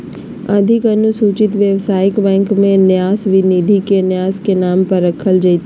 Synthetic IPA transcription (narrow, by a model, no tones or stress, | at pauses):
ɐd̪ʱɪkɐnʊsuːt͡ʃɪt̪ʋjəʋsaːjɪkbɛ̃ːŋkmẽnjaːsʋɪnid̪ʱikenjaːskenaːmpɐɾːəkʰːəld͡ʒɐit̪